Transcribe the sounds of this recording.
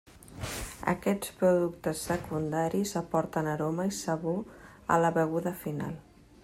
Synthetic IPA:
ə̰kɛt͡spɾuðuk̚t̪əsːəkund̪aɾizəpɔɾt̪ənəɾɔməisəɣu | ə̰ləβəɣ̞uðəfina̰lˠ

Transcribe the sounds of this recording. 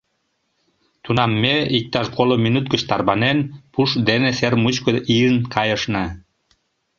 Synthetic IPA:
t̪unɑmːeik̚t̪ɑʃkolominut̪̚ɡə̆t͡ɕt̪ɑrβɑnenpuʃd̪enesermut͡ɕkoʔiənkɑjə̆ʃnɑ

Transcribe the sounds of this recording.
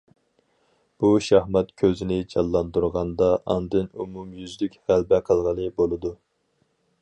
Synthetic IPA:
b̥uʃɑhmɛt̪kʲʰøzɪnɪd͡ʒɑlˠːɑnd̪uɾʁɑnd̪ɑʔɑnd̪ɨnumumjyzlykʲhælbɛqʰəlˠʁəlˠɨbolˠɨd̪u

